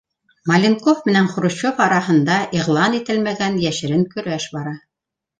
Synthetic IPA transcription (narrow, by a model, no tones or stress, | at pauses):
mɐlʲɪnkofmɘ̆næŋχŏɾŭɕofɑɾɑɦɤ̆nd̪ɑʔiʁlˠɑnit̪ɘlmæɡænjæʃɘ̆ɾɘŋkɵ̆ɾæʃbɑɾɑ